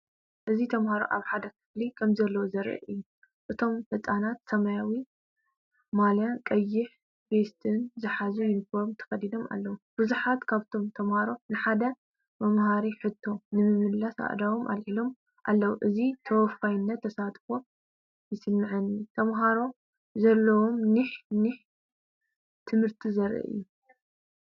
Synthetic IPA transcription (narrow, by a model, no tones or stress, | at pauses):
ʔɨzit̪ʰɐmhaɾo̞̰ʔa̰βħad̪ɐkʰɨ̥flikʰɐmzɐlːɐwzɐɾɨ̰ʔʔɨjːu | ʔɨt̪ʰo̞mfɐt̪ʼanat̪sɐmajawi | maljakʼɐjːɪħ | best̪ʰɨnzɨħazujɪnfoɾmt̪ʰɐ̥xɐdid̪o̞mʔa̰lːɐwub̥ɨzuħat̪kʰaβt̪ʰo̞mt̪ʰɐmhaɾo̞nɨħad̪ɐ | mɐmɦaɾiħɨt̪ʰːo̞nɨmɨmɨlːɐsa̰ʔd̪awomʔa̰lħilo̞m | ʔa̰lːɐwuʔɨzit̪ʰɐwfxajnːɐt̪ʰːɐsat̪ʼfo | jɪsɨmːɨʕɐnit̪ʰɐmɦaɾo̞ | zɐlːɐwo̞mniħniħ | t̪ʰɨmhɨɾt̪ʰizɐɾʔɨ̰ʔɨ̰jːu